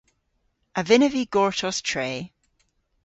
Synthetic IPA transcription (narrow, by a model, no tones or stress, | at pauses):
əvɪnəviɡɔɹtʰɔstʰɹ̥eː